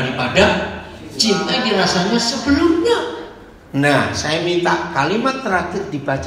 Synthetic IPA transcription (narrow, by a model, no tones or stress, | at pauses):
ɾipadat͡ʃint̪ajdiɾasaɲasəbəlʊmɲa | nahsajamint̪aʔkalimat̪ːəɾaɡət̪̚dib̥at͡ʃ